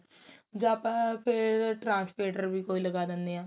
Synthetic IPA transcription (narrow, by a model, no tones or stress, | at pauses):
d͡ʒoəpãpʰeɾʈɾãːnspleːʈəɾbʱiːkoːiləɡaːd̪ẽnd̪eãː